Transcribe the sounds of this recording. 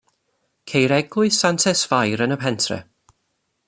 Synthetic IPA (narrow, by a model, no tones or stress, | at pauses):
kʰejɾɛɡlˠʊɨsantʰɛsvajɾənəpʰɛntʰrɛ̰